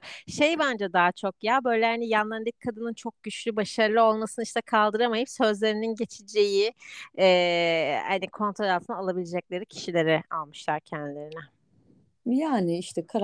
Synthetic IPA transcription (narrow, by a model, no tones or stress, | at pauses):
ʃe̞jband͡ʒad̪aːt͡ʃʰo̞kjabø̞jlʲɛhanijanlˠand̪ɯc̚kʰːad̪ɯnɯnt͡ʃʰo̞k̚ɟ̥yt͡ʃlʲybaʃaɾlˠɯo̞lˠmasɯnɯiʃt̪ʰɛkʰalˠd̪ɯɾamajɯpsø̞zlʲe̞ɾininɟe̞t͡ʃʰid͡ʒe̞jiɛːha̰nikʰo̞nt̪ʰɾolalt̪ʰɯnalˠabilʲed͡ʒɛc̚lʲe̞ɾicʰi̥ʃilʲe̞ɾɛalˠmɯʃlˠaɾcʰɛænd̪ilʲe̞ɾinɛ | jaːnɪiʃt̪ʰɛkʰaɾ